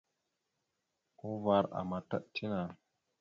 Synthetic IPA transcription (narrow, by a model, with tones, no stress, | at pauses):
o˦va˦ɾa̰˨ma˨ta̰˦ʔtʰi˦na˨